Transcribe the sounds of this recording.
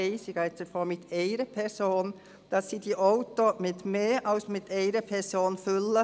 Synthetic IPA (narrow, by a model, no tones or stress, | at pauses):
eɪsɪɡaɪsəfɔmɪt̪ʰeɪɾəpʰɛɾsoːn | d̥ɑsːiːdiʔɔʊt̪omɪt̪meːʔɑlsmɪt̪ʰeɪɾəpʰɛɾsoːnfʏlːə